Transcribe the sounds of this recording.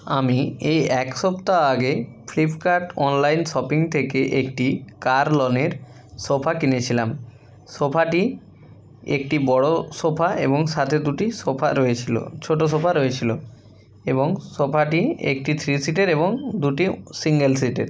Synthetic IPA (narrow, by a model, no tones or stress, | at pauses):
amiejɛkʃɔpt̪aaɡe | flipʰkaɾʈɔnlajnʃɔpiŋt̪ʰekeʔekʈikaɾlɔneɾ | ʃopʰakinet͡ɕʰilam | ʃopʰaʈi | ekʈibɔɽoʃopʰaʔeboŋʃat̪ʰed̪uʈiʃopʰa̰ɾoet͡ɕʰilo̰t͡ɕʰoʈoʃ̬opʰaɾoet͡ɕʰilo | eboŋsopʰaʈiḛkʈit̪ʰɾisiʈeɾeboŋd̪uʈisiŋɡelsiʈḛɾ